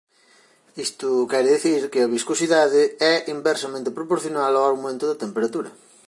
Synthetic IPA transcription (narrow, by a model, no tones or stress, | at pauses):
ist̪ʊkɛɾeðiθiɾkɪɐβiskosiðaðɪɛʔimbɛɾsɐmẽnt̪ɪpɾopoɾθjonaloaɣmẽnt̪ʊðɐt̪empeɾat̪uɾɐ̰